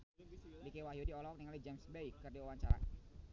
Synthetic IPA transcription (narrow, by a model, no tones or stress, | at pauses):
dikewaɦijudiɔlɔk̚niŋalid͡ʒɛmsbejkərdiwawaɲt͡ʃaɾa̰